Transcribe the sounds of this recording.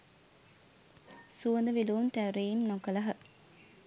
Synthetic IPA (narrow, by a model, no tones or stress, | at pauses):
suʋɐnd̪ɐʋiluːnt̪æʋɾejimnokɐlɐɦɐ